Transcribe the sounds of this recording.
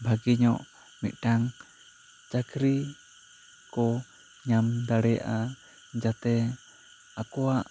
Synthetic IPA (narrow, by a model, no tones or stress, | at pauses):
bʱaɡiɲɔʔ | mit̪̚ˀʈaŋ | t͡ʃakɾi | kɔ | ɲamd̪aɽɛja̰ʔa | d͡ʒat̪ɛ | akɔwaʔ